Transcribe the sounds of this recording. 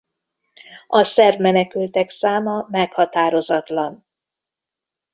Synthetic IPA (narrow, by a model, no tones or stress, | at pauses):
ɒsɛrvmɛnɛkylt̪ɛksaːmɒmɛkhɒt̪aːɾo̞zɒt̪lɒn